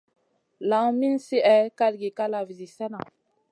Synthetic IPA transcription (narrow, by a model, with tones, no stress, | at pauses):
la˨˦ŋmi˦nsi˦ʔɛ˦ka˦ɾɡi˨ka˦la˨vi˨zi˨sɛ˦na˨